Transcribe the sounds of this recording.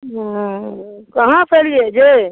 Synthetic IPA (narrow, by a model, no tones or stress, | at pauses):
kɐɦãpʰelied͡ʒe